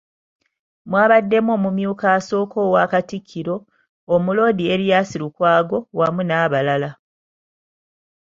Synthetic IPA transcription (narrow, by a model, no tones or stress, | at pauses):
mwaːβadːe̞mo̞ːmumjuːkaso̞ːko̞ːwaːkatikʰːiɾo̞ː | mulo̞ːdie̞ɾijaːsiɾukwaːɡo̞wamunaːβalala